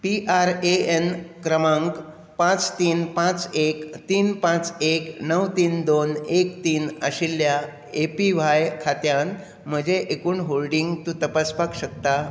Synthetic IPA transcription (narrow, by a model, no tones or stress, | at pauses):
piʔaɾeenkɾəmaŋk | pãt͡st̪iːnpãt͡sekt̪iːnpãt͡seknəwt̪iːnd̪onekt̪iːnə̰ɕilːja | epiʋ̤ajkʰat̪jãn | m̤əd͡ʑeʔekuːnɦolɖiŋɡt̪ũːt̪əpaspakɕəkt̪a